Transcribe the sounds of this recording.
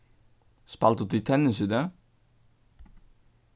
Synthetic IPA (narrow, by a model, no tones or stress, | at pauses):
spɑlt̪ut̪ɪt̪ʰɛnəsʉd̪ə